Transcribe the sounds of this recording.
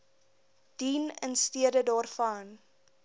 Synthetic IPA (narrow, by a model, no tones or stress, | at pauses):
d̥iːnənstiədədɑːrfɐn